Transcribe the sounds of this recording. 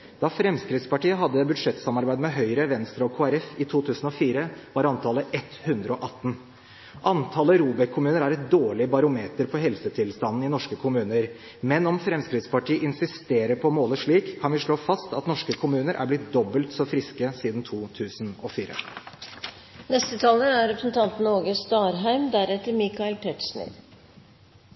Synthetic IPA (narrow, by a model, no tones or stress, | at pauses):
d̪ɑfɾɛmskɾɪt̪spɑʈiːəɦɑd̪ːəbʉd̪ʂɛt̪ːsɑmɑɾbæɪd̪mɛɦœʏɾəʋɛnst̪ɾɑɔkʰoːæɾɛfɪt̪ʰuːt̪ʰʉːsn̩ɔfiːɾəʋɑɾɑnt̪ʰɑːləʔɛt̪hʉnd̪ɾəɔʔɑt̪ːn̩ | ʔɑnt̪ʰɑːləɾuːbəkʰʊmʉːnəɾæɾɛt̪̚d̪oːɭɪbɑɾʊmeːt̪əɾpʰɔɦɛlsət̪ʰɪlst̪ɑnn̩ɪnɔʂkəkʰʊmʉːnəɾ | mɛnɔmfɾɛmskɾɪd̪spɑʈʰiːəʔɪnsɪst̪eːɾəɾpʰɔmoːləʂɭiːkʰːɑnʋɪʂɭoːfɑst̪ɑt̪nɔʂkəkʰʊmʉːnəɾʔæ̰ɾblɪt̪̚d̪ɔbːəlt̪sɔfɾɪskəsiːd̪nt̪ʰuːt̪ʰʉːsnɔfiːɾə̰ | nɛst̪ət̪ʰɑːləæɾɾɛpɾəsn̩t̪ʰɑnt̪n̩oːɡəst̪ɑːɾɦæɪmd̪æɾɛt̪ːəɾmɪkɑɛlpʰɛt̪sɳɪ̰d̪